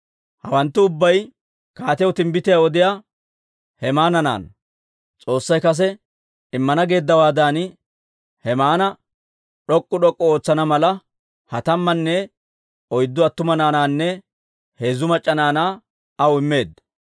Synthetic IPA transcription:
hɐwɐnt̪ːʊʊbːɐj | kaːt̪ɪjwt̪ɪmbɪt̪ɪjawɔd̪ɪjaː | hɛmaːnɐna̰ːn | t͡sʼo̞ːsːɐjkɐs̬ɛ | ɪmːɐnɐɡe̞ːd̪ːɐwaːd̪aːn | hɛmaːnɐ | ɗɔkʼːʊɗɔkʼːɔo̞ːt͡sːɐnɐmɐlɐ | hɐt̪ɐmːɐnːɛ | ɔjd̪ːʊɐt̪ːʊmɐnaːnaːnːɛ | he̞ːzːʊmɐt͡ʃʼːɐnaːnaː | ɐwʊɪmːe̞ːd̪ɐ

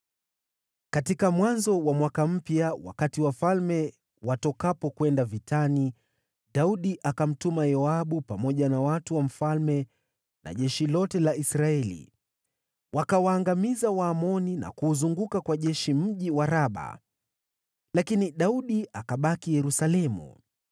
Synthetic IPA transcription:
katikamwanzɔwamwakam̩pjawa̰katiwafalmɛ | watɔkapɔkwɛndavitʰani | ɗauɗiʔakam̩tumajɔaɓupamɔʄanawatuwam̩falmɛ | na̰ʄɛʃilɔtɛlaisɾaɛlḭ | wakawaːŋɡamizawaːmɔnina̰kuːzuŋɡukakwaʄɛʃim̩ʄiwaɾaɓa̰ | lakiniɗauɗiʔakaɓakijɛɾusalɛmṵ

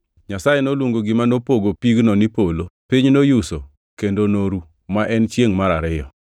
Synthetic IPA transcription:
ɲasajenolwoŋɡoɡɪmanopoɡopiɡnɔnipolopiɲnojuso | kendonoɾu | maʔɛnt͡ʃjeŋmaɾaɾɪjɔ̰

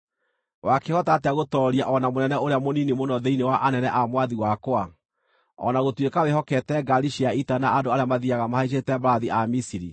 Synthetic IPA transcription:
wakehɔtateaɣotɔɾiaʔɔnamonɛnɛoɾeamoninemonɔðeinewaʔanɛnɛʔamwaðiwakoa | ɔ̰naɣotwekawehɔkɛtɛɡaɾiʃiaitanaandoaɾeamaðiaɣamahaiʃ̬etɛbaɾaðiʔamisiɾi

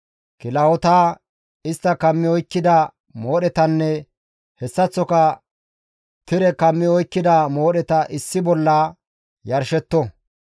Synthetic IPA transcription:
kɪlɐɔt̪aː | ɪst̪ːɐkɐmːɪɔjkːɪd̪ɐ | moːɗɛt̪ɐnːɛ | hɛsːɐt͡sːɔkɐ | t̪ɪɾɛkɐmːɪɔjkːɪd̪ɐmo̞ːɗɛt̪ɐʔɪsːɪbɔlːaː | jɐɾʃɛt̪ːɔ

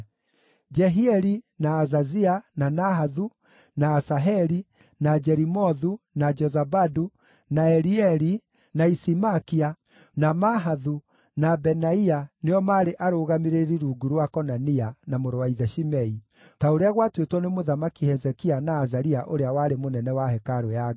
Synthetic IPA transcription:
d͡ʒɛɦiɛɾinaːzaziananaɦaðu | naːsaɦɛɾi | nad͡ʒɛɾimɔðunad͡ʒɔzabadu | naɛɾiɛɾi | naisimakia | namaɦaðu | nabɛnaianeɔmaːɾeʔaɾoɣameɾeɾiɾuɡuɾwakɔnanianamoɾowaiðɛʃimɛi | taoɾeaɣwatwetwɔnemoðamakihɛzɛkianaːzaɾiaʔoɾeawaːɾemonɛnɛwahɛkaɾoja

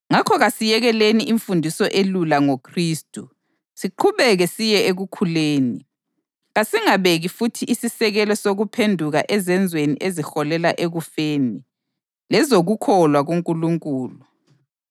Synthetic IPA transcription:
ŋakʰɔɣasijɛɣɛleniʔiɱfundʱisɔʔelulaŋokʰriːstʼu | siǃʰuβɛɣɛsijɛeɣukʰuleːni | ɣasiŋaβeɣifutʰiʔisisɛɣɛlɔsoɣupʰendʱuɣaʔɛzɛnd͡zʱwenḭʔezixɔlɛlaʔeɣufeːni | lɛzoɣukʰɔlwaɣuŋkʼuluŋkʼuːlu

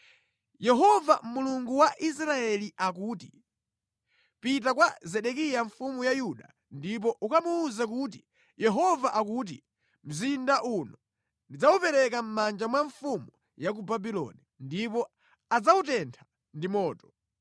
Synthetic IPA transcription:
jɛɦɔvamuluŋɡuwaʔis̬ɾaɛliʔakuːti | pitakwazɛɗɛkijaɱfumujajuɗa̰ | ndip̬ɔʔukamuːzak̬ut̬i | jɛɦɔvaʔakut̬i | m̩zindaʔunɔ | ndid͡zaupɛɾɛkam̩mand͡ʒamwaɱfumu | jak̬ubabilɔ̰nindipɔ | ad͡zautɛntʰḁ | ndimɔːtɔ̥

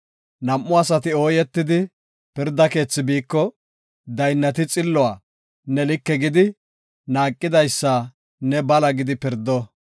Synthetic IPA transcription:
nɐmːʊaɐsɐt̪ɪo̞ːjɛt̪ːɪd̪ɪ | pɪɾd̪ːɐke̞ːt͡sːɪbiːkːɔ | d̪ɐjnːɐt̪ɪt͡sʼɪlːɔwaː | nɛlɪkːɛɡɪd̪ɪ | naːkʼːɪd̪ɐjsːa | nɛbɐlɐɡɪd̪ɪpɪɾd̪ːɔ

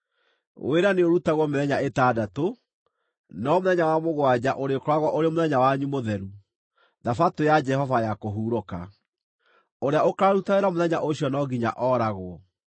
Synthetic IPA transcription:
wʔeɾaneoɾutaɣwɔmeðɛɲaetaːdato | nɔmoðɛɲawamoɣwad͡ʑaʔoɾekɔɾaɣwɔʔoɾemoðɛɲawaɲumoðɛɾu | ðafatojad͡ʒɛhɔvajakoɦuːɾoka̰ | oɾeaokaɾutaeɾamoðɛɲaʔoɕjɔnɔɡiɲa̰ʔɔːɾaɣwɔ

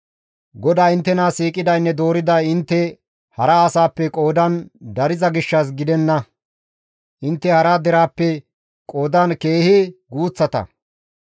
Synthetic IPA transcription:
ɡɔd̪aːɪnt̪ːɛnaːsiːkʼɪd̪ɐjnːɛd̪o̞ːɾɪd̪ɐjɪnt̪ːɛ | hɐɾɐːsaːpːɛkʼo̞ːd̪ɐnd̪ɐɾɪzɐɡɪʃːɐs̬ɡɪd̪ɛnːɐ | ʔɪnt̪ːɛhɐɾaːd̪ɛɾaːpːɛ | kʼo̞ːd̪ɐnke̞ːhɪɡuːt͡sːɐt̪ɐ̰

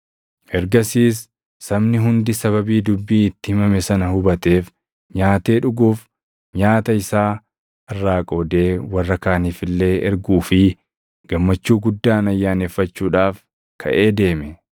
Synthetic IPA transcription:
ʔɛɾɡɐsiːs̬ː | ɐbnɪɦʊnd̪ɪsɐβɐbiːd̪ʊbːiːɪt̪ːɪhɪmɐmɛsɐnɐhʊbɐt̪e̞ːf | ɲaːt̪e̞ːᶑʊɡuːf | ɲaːt̪ɐɪsaː | ʔɐrːaːkʼo̞ːd̪e̞ːwɐrːɐkaːniːfɪlːe̞ːʔɛɾɡuːfɪ | ɡ̥ɐmːɐt͡ʃːuːɡʊd̪ːaːnɐjːaːneːfːɐt͡ʃːuːᶑaːf | kʰɐ̰ʔe̞ːd̪e̞ːmɛ

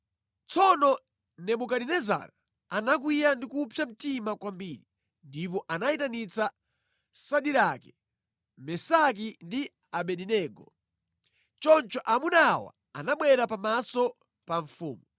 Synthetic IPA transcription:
t͡sʰɔnɔ | nɛɓukaɗinɛza̰ɾa | anak̬wijandikupʰjam̩timakwambiːɾi | ndip̬ɔʔanaitanit͡sa | saɗiɾakɛ | mɛsak̬indi | aɓɛɗinɛːɡɔ | t͡ʃɔnt͡ʃɔʔamunawa̰ | anaɓwɛɾapamasɔ | paɱfṵːmu

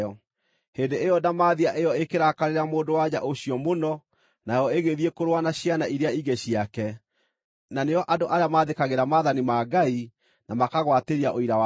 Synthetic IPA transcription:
ɔ | heːndeejɔdamaːðiaʔejɔekeɾakaɾeɾamoːdowaɲa̰ʔoɕiɔmonɔ | najɔeɣeðiekoɾwanaɕianaʔiɾeaiɡeɕiakɛ | naneɔʔadoʔaɾeamaðekaɣeɾamaðanimaɡai | namakaɣwateɾiaʔoiɾawa

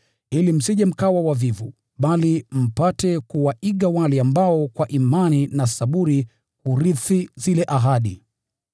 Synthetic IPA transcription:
ilim̩siʄɛm̩kawawavivu | ɓalim̩patɛkuwaʔiɠawalɛambaɔkwaʔimaninasaɓuɾi | huɾiθizilɛʔaɦaɗḭ

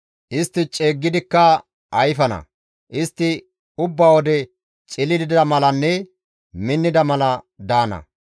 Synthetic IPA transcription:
ʔɪst̪ːɪt͡ʃʼe̞ːɡːɪd̪ɪkːɐ | ɐjfɐnɐ̰ | ʔɪst̪ːɪ | ʊbːawɔd̪ɛ | t͡ʃʼɪlɪd̪ɪd̪ɐmɐlɐnːɛ | mɪnːɪd̪ɐmɐlɐ | d̪aːnɐ̰

